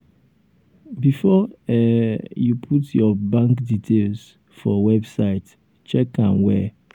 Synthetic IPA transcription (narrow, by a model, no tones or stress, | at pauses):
bifɔɛjupʰutjɔbãŋkditʰels | fɔwɛbsaɪt | t͡ʃɛkãnwɛ̰